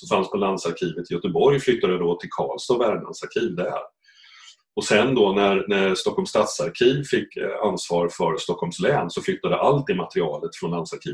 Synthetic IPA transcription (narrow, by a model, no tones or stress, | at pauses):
ɔfanspʰɔland̪saɾkʰiːvət̪ʰɪjœt̪əbɔɾjflʏt̪ːad̪əd̪ɔt̪ʰɪlkʰɑ̰ːlsɔvæːɖɳa̰nsaɾkʰiːvd̪ɛhæ̰ːɾ | ɔsɛnd̪ɔnæɾnæst̪ɔkʰːɔlmst̪at̪saɾkʰiːvfɪkːansvɑːɾfœɾst̪ɔkʰːɔlmslɛːnsɔflʏt̪ːad̪əʔalt̪̚dɪmat̪əɾɪɑːlət̪fɾɔnland̪saɾkʰḭː